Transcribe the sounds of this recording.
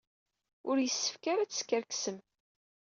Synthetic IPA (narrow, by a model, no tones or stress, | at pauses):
ʊɾjəsːə̥fkaɾat͡sːə̥skʲəɾksəm